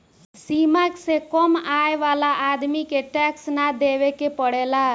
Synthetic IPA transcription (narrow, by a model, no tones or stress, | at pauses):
simaksekɔmajwalaʔad̪mikeʈɛksnad̪eβekepʌɽela